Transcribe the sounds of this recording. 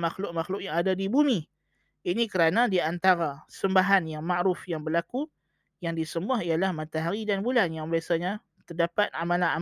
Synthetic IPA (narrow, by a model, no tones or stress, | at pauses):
maxlʊʔ̚maxlʊʔjaŋadadibumi | inikəɾanadiant̪aɾasəmbaɦanjaŋmaʔɾʊfjaŋbərlaku | jaŋdisəmuaɦijalahmat̪aɦaɾidanbulanjaŋbiasaɲa | t̪ərdapat̪̚amalana